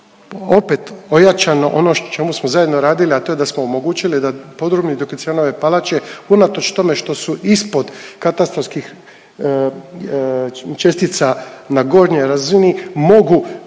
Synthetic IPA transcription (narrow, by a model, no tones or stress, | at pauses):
o̞pe̞t̪o̞jat͡ʃano̞ʔo̞not͡ʃe̞musmozaje̞d̪no̞ɾaːd̪iliat̪o̞je̞d̪asmoomo̞ɡuːt͡ɕilid̪apo̞d̪ɾobnid̪okt̪ieno̞ʋe̞palat͡ɕe̞unat̪o̞t͡ʃt̪o̞me̞ʃt̪o̞suʔispo̞d̪kat̪ast̪ɾofskix | t͡ʃe̞st̪it̪sanaɡo̞ɾɲo̞jɾazinimo̞ɡu